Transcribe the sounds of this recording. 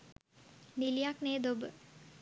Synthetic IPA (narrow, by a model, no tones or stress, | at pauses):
nilijakneːd̪obə